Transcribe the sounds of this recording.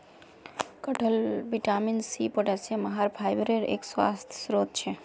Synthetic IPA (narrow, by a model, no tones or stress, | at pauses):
kəʈʰəlbiʈaminsipoʈeseməɦaɾpʰajbɾeɾḛːkswa̰st̪ʰjsɾot̪̚t͡ʃʰɛ